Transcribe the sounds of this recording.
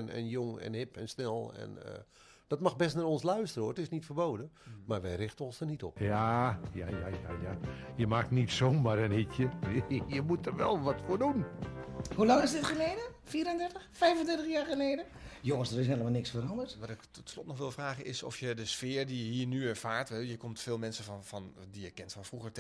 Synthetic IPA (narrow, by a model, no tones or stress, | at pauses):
nɛ̰njoŋɛ̰nhɪpʰɛnsnɛlˠɛ̰nə̰ | d̥ɔtmaxbɛstnaɔnslœɥstərəoəətɪsnitfərboːdəmarʋɛjrɪxtənonsdərnitɔpjajajajajajəmaknitsoːmaɾənitjəjəmutərʋɛ̰lˠʋɔtfoːdun | hulɑŋɪsdɪtχəleːdə | fiːəɾəndɛrtəxfɛjvəndɛrtəxjaːɹχəleːdəjoŋəsdəɾɪs̬nɦelˠəmalˠnɪksfəɾɑndərtʋaɾɪktɔtslɔtnɔxʋɪlˠfraːɣənɪsɔ̰fjədəsfɪːərdijəɦiːrnyɛrfaːɹtʋɛjəkomtfɪːlˠmɛnsəffɔndijəkɛntfɔnfruxər